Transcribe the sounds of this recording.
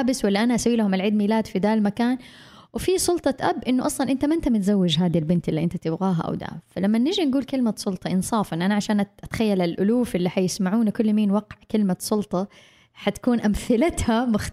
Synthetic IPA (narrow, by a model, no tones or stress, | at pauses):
bɪswalːaʔanaʔasawiːlahʊmalʕiːd̪miːlaːd̪fid̪aːlmakaːn | wɪfisˤʊlt̪ˤɑʔabːʔɪnːʊʔɑsˤlɑnʔɪnt̪amaʔɪnt̪amɪt̪zawːɪd͡ʒɦaːd̪ilbɪnt̪ʔɪlːiʔɪnt̪at̪ɪbɣaːɦa̰ʔa̰wd̪a̰ːfalamːanːɪʒinɡuːlkɪlmasˤʊlt̪ˤɑʔɪnsˤɑːfɪnːʔanaʕaʃaːnʔat̪xajːalalʔʊluːfʔɪlːiħajɪsmaʕuːnakʊlːmiːnwaqʕkɪlmasˤʊlt̪ˤɑ | ħat̪ḁkuːnʔamθɪlat̪hamʊx